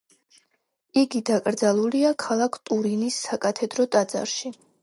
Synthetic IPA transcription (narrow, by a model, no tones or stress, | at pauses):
iɡid̪akʼɾd̪zalˠuliakʰalˠakʰt̪ʼuɾinisːakʼat̪ʰɛd̪ɾɔt̪ʼad̪za̰ɾʃi